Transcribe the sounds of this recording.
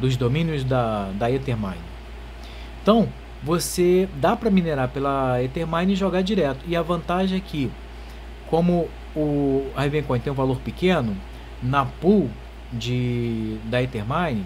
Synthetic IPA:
d̪ʊzd̪omĩnjʊzd̪ɐd̪ɐet̪eɾmã̰jnɪ | ẽt̪ɐ̃w̃ | vosed̪apɾɐmineɾaɾpelɐet̪eɾmãj̃nɪʒoɡaɾd͡ʒiɾɛt̪ʊɪɐvɐ̃nt̪aʒẽɛkɪ | kõmʊ | ʊahevẽkõj̃t̪ẽj̃ũvaloɾpikẽnʊ | nɐpuw | d͡ʒɪd̪ɐet̪eɾmãjnɪ

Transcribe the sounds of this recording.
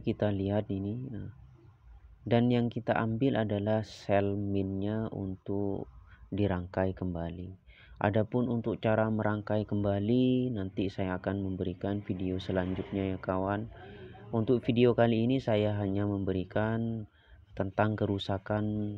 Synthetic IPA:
kit̪aliɦat̪ini | danjaŋkit̪aʔambɪlʔadalahsɛlmɪnɲaʔṵnt̪ʊkdiɾaŋkajkəmbali | ʔa̰dapʊnunt̪ʊk̚t͡ʃaɾaməɾaŋkajkəmbalinant̪isajaːkanməmbəɾikanfideosəlaɲd͡ʒʊt̪̚ɲajakawanunt̪ʊk̚fideokaliːnisajaɦaɲaməmbəɾikan | t̪ənt̪aŋkəɾusakan

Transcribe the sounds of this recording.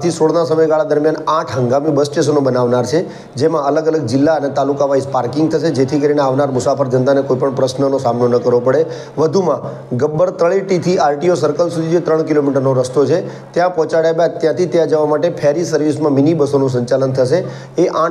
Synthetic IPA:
t̪ʰisoɽnasəməjɡaɭad̪əɾmjanãʈʰɦəŋɡamibəst͡ʃes̬ənobənaʋnaɾt͡ʃʰe | d͡ʒemãələɡələɡ̚d͡ʒɪlːaənet̪alukaʋaispaɾkɪŋɡt̪ʰəʃed͡ʒet̪ʰikəɾineaʋnaɾmʊsafəɾd͡ʒənt̪anekoipəɳpɾəsnənosamnonəkəɾʋopəɽe | ʋəd̪ʱumã | ɡəbːəɾt̪əɭiʈit̪ʰialʈiosəɾkəlsud̪ʱid͡ʒet̪ɾəɳ̃kilomiʈəɾnoɾəst̪ot͡ʃʰe | t̪jãpɔ̃t͡ʃaɽjabat̪jãt̪ʰit̪jãd͡ʒəʋamaʈepʰɛɾisəɾʋismãminibəsonũs̬əɲt͡ʃalənt̪ʰəʃe | eʔã

